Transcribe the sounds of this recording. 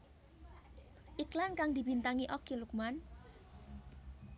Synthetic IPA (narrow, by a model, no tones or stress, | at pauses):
ʔiklankaŋd̪i̤bint̪aŋiʔokiluk̚man